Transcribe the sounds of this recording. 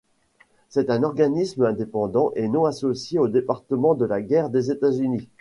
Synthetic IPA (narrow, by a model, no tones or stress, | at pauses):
sɛt̪ɛ̃nɔʁɡanismɛ̃d̪epɑ̃d̪ɑ̃ʔenɔ̃asosjeod̪epaʁt̪əmɑ̃d̪əlaɡʲɛʁd̪ezet̪azyni